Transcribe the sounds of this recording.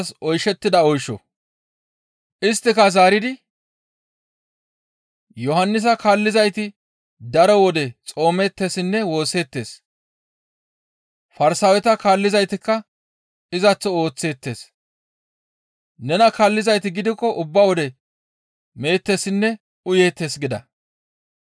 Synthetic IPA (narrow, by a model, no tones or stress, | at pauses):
sɔjʃɛt̪ːɪd̪ɐɔjʃɔ̰ | ʔɪst̪ːɪkɐzaːɾɪd̪ɪ | jɔɦɐnːɪs̬ɐkaːlːɪzɐjt̪ɪ | d̪ɐɾɔwɔd̪ɛt͡sʼo̞ːmɛːt̪ːesɪnːɛwo̞ːse̞ːt̪ːe̞ːs | fɐɾsɐwɛt̪ɐkaːlːɪzɐjt̪ɪkːɐ | ɪzɐt͡sːɔo̞ːt͡sːe̞ːt̪ːe̞̰ːs | nɛnɐkaːlːɪzɐjt̪ɪɡɪd̪ɪkːɔʔʊbːɐwɔd̪ɛ | me̞ːt̪ːesɪnːɛ | ʊje̞ːt̪ːe̞ːsɡɪd̪ɐ̰